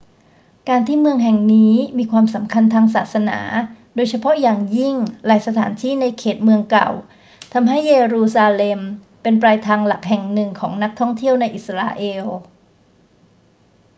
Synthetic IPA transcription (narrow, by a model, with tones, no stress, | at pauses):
kaː˧nt̪ʰiː˥˩mɯ˧əŋɦɛ˨˩ŋniː˦˥miː˧kʰwaː˧msa˩˦mkʰa˧nt̪ʰaː˧ŋsaː˨˩t̪̚sa˧na̰ː˩˦doː˧jt͡ɕʰa˧pʰɔ˦˥jaː˨˩ŋji˥˩ŋlaː˩˦jsa˧t̪ʰaː˩˦nt̪ʰiː˥˩˨na˧jkʰeː˨˩t̪̚mɯ˧əŋka̰˨˩w | t̪ʰa˧mɦa˥˩jːeː˧ɾuː˧saː˧le˧m | pe˧npɾaː˧jt̪ʰaː˧ŋla˨˩k̚hɛ˨˩ŋnɯ˨˩ŋkʰɔː˩˦ŋna˦˥k̚t̪ʰɔ˥˩ŋt̪ʰi˥˩əwna˧jʔi˨˩t̪sɾa̰ː˧ʔeː˧w